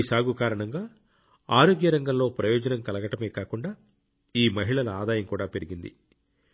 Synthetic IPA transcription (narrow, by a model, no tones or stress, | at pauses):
saːɡukaːɾɐɳɐŋɡaː | aːɾo̞ːɡjɐɾɐŋɡɐmlo̞ːpɾɐjɔːd͡ʒɐnɐmkɐlɐɡɐʈɐme̞ːkaːkuɳɖaː | iːmɐɦiɭɐlɐaːd̪aːjɐŋkuːɽaːpe̞ɾiɡind̪ḭ